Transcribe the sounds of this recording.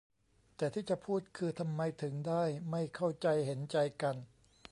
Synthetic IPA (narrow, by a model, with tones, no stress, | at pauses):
t̪ɛː˨˩t̪ʰiː˥˩t͡ɕa˨˩ʔpʰuː˥˩t̪̚kʰɯː˧t̪ʰa˧mːa˧jt̪ʰɯ˩˦ŋdaː˥˩jma˥˩jkʰa˥˩wt͡ɕa˧jhe˩˦nt͡ɕa˧jka˧n